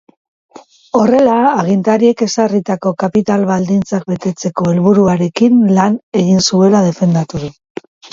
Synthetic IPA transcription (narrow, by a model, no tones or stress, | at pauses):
o̞re̞laːɣ̞int̪aɾie̞ke̞sarit̪ako̞kapit̪alβald̪int͡sak̚be̞t̪e̞t͡se̞ko̞e̞lβuɾuaɾe̞kinlane̞ɣinsue̞lað̞e̞fe̞nd̪at̪uðu